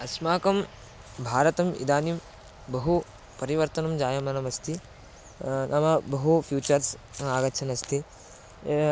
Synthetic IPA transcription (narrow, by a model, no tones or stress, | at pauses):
ɐsmaːkɐm | bʱaːɾɐt̪ɐmḭd̪aːnim | bɐɦu | pɐɾiʋɐɾt̪ɐnɐmd͡ʒaːjɐmɐnɐmɐst̪ʰi | nʔɐmɐbɐɦupʰjuːt͡ʃɐɾsaːɡɐt͡ʃʰɐnɐst̪ʰi